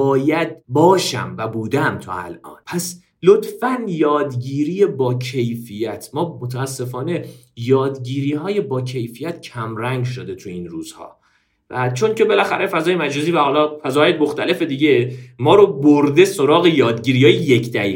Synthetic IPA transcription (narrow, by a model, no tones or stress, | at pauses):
bɒːjæd̪̚bɒːʃæ̰mvæbuːd̪æmt̪ʰɒ̰æ̰lʔɒ̰ːnpʰæs | lot̪fænjɒːd̪ɟiːɾiːjebɒːcʰe̞jfijæt̪ʰmɒːmot̪ʰææsːe̞fɒːne̞jɒːd̪ɡiːɾiːɦɒːje̞bɒːcʰe̞jfijæt̪̚cʰæmɾæŋɡʃod̪e̞t̪ʰuinruːz̥hɒ̰ː | væt͡ʃʰo̞ncʰe̞be̞læxæɾʔe̞fæzɒːjemæd͡ʒɒːziːvæhɒːlɒːfæzɒːjemoxt̪æle̞fe̞d̪iːɟemɒːɾoboɾd̪e̞soɾɒːɣe̞jɒːd̪ɟiːɾiːhɒːjejekʰd̪æiː